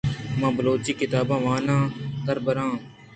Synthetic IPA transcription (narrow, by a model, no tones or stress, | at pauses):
mãːbəloːt͡ʃiːkɪt̪aːbãːʋãːnãːd̪əɾbəɾãː